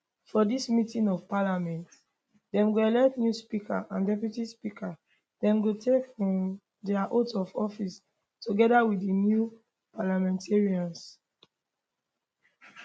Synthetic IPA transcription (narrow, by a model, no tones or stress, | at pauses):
fɔdismitĩŋɔvpalamɛ̃nt | dɛ̃mɡoɛlɛktnjuspikʰaʔãndɛpjutispikʰa | d̥ɛ̃mɡotʰekfɹɔ̃m | dɛaʔotɔfɔfis | toɡɛdawiinju | palamɛ̃ntʰeɹiɔ̃ns